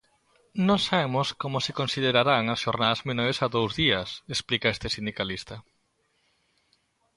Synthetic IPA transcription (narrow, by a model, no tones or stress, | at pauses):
nõŋsaβemoskomʊsekonsiðeɾaɾaŋɐsʃoɾnaðzmenoɾesaðowzðiɐsesplikaest̪esind̪ikalist̪ɐ